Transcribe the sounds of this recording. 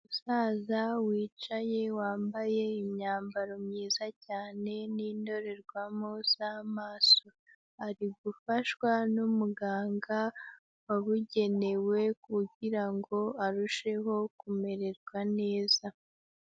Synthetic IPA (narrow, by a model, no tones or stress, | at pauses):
usaːzawiːt͡ʃaje̞waːmbaje̞iɲaːmbaɾomɲiːzacaːne̞niːndo̞ɾe̞ɾɡwamoz̥amaːso̞ | aɾiɡufaʃwanumuɡaːŋɡa | waβuɟe̞ne̞we̞kuɟiɾaŋɡo̞aɾuʃe̞ɦo̞kume̞ɾe̞ɾɡwane̞ːza